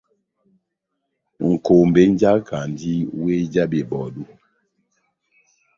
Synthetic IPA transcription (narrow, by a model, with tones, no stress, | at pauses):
ŋ̩˨ko˨m˨be˦n˦d͡ʒa˦kʰa˨n˨di˦we˦d͡ʒa˦be˨bɔ˨du˦